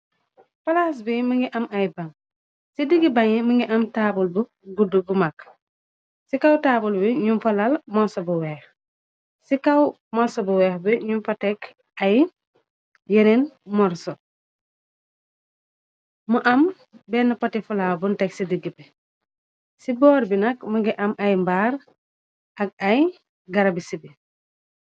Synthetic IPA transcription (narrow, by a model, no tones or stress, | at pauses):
fɐlas̬biməŋɡiʔɐmɐjbaŋ | sidiɡibɐŋiməŋɡiʔɐmtaːbulbu | ɡudːubumak | sikawtaːbulbiɲumfɐlɐlmɔsɔbuwɛːx | sikaw | mɔsɔbuwɛːxbiɲumfɐtɛk | ɐj | jeninmɔɾsɔ | muʔɐm | bɛːnːɐpɐtifulawbuntɛksidiɡipɛ | sibɔːɾbinɐkmɐɡiʔɐmʔɐjmbaːɾ | ɐk̚ɐj | ɡɐɾɐbisibi